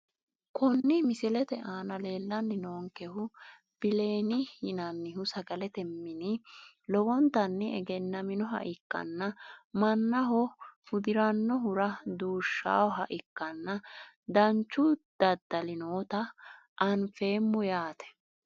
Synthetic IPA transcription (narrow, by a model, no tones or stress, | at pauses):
kʊnːɪmɪsɪlɛt̪ɛʔaːnɐle̞ːlːɐnːɪnoːŋkɛhʊ | b̥ɪle̞ːnɪhɪnɐnːɪɦʊsɐɡɐlɛt̪ɛmːɪnɪ | lɔwɔnt̪ɐnːɪɛ̰ɡɛnːɐmɪnɔɦɐ̰ʔɪkːɐ̰nːɐmɐnːɐɦɔfʊd̪ɪɾɐnːɔɦʊɾɐd̪uːʃːa̰ːwɔɦɐʔɪkːɐnːɐ | d̪ɐnt͡ʃːʊd̪̥ɐd̪ːɐlɪnoːt̪ɐ | ʔɐnfe̞ːmːʊjaːt̪ɛ̥